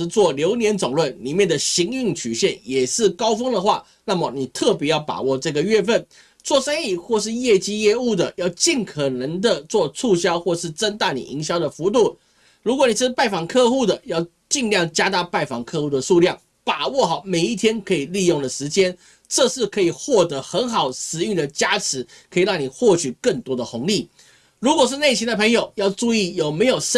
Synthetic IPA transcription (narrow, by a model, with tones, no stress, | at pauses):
t͡swɔ˥˩ljo˧˥ʊnjɛ˧˥nt͡sʊ˨˩ŋlwə˥˩nli˨˩mjɛ˥˩nd̪ə˩ɕi˧˥ŋy˥˩ŋt͡ɕʰy˨˩ɕjɛ˥˩njɛ˨˩ʂɻ̩˥˩kɑ˥ʊfɤ˥ŋd̪ə˨xwa˥˩ | na˥˩mə˩ni˨˩t̪ʰɤ˥˩p̬jɛ˧˥jɑ˥˩ʊpa̰˨˩wɔ˥˧ʈ͡ʂɤ˥˩ɡə˩ɥɛ˥˧fə˥˩n | t͡swɔ˥˩ʂa˥ni˥˩xwɔ˥˧ʂ̬ɻ̩˥˧jɛ˥˩t͡ɕi˥jɛ˥˧u˥˩d̪ə˩jɑ˥˧ʊt͡ɕi˥˩nkʰɤ˨˩nə˧˥ŋd̪ə˨t͡swɔ˥˧t͡sʰu˥˧ɕjɑ˥ʊxwɔ˥˧ʂɻ̩˥˩ʈ͡ʂə˥nt̪a˥˩nḭ˨˩i˧˥ŋɕjɑ˥ʊd̪ə˨fu˧˥t̪̬u˥˩ | ɻu˧˥k̬wɔ˧˦ni˨˩ʂɻ̩˥˧pa˥˩ɪfɑ˨˩ŋkʰɤ˥˧xu˥˩d̪ə˩jɑ˥˧ʊ | t͡ɕi˥˧ŋljɑ˥˩ŋt͡ɕja˥t̪a˥˧pa˥˩ɪfɑ̰˨˩ŋkʰɤ˥˧xu˥˩d̪ə˩ʂu˥˧ljɑ˥˩ŋ | pa˨˩wɔ˥˩xɑ˨˩ʊme˨˩ɪi˥˩t̪ʰjɛ˥nkʰɤ˧˥i˨˩li˥˧jo˥˩ŋd̪ə˩ʂɻ̩˧˥t͡ɕjɛ˥n | ʈ͡ʂɤ˥˧ʂɻ̩˥˩kʰɤ˧˥i˨˩xwɔ˥˩t̪ɤ˧˥xə˧˥nxɑ˨˩ʊʂɻ̩˧˥y˥˩ŋd̪ə˩t͡ɕja˥ʈ͡ʂʰɻ̩˧˥ | kʰɤ˧˥i˨˩ɻɑ˥˩ŋni˨˩xwɔ˥˩t͡ɕʰy˨˩kə˥˩ŋt̪wɔ˥d̪ə˨xʊ˧˥ŋli˥˩ | ɻu˧˥kwɔ˨˩ʂ̬ɻ̩˥˧ne˥˩ɕʰi˥nd̪ə˨pʰə˧˥ŋjo˨˩ʊjɑ˥˧ʊʈ͡ʂu˥˧i˥˩jo˨˩ʊme˧˥ɪjo˨˩ʊʂ